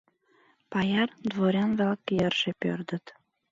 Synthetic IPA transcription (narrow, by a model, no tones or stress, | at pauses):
pɑjɑrd̪voɾʲɑnvælkjərʒepø̰rd̪ə̆t̪